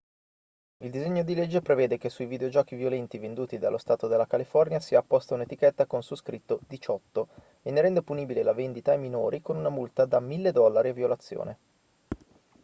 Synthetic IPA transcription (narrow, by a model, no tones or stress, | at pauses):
ild̪izeɲːod̪iled͡ʒːepɾeveːd̪ekesːuivid̪eod͡ʒɔːkivjolɛnt̪ivend̪uːt̪id̪a̰lːʔost̪aːt̪od̪elːakalifɔrnjasiaːpːɔst̪aunet̪ikɛt̪ːakonsuskɾit̪ːod̪it͡ʃɔt̪ːo | enːeɾɛnd̪opuniːbilelavend̪it̪ajminoːɾʔikonunamult̪ad̪amilːed̪ɔlːaɾeaviolat̪sːjo̰ːne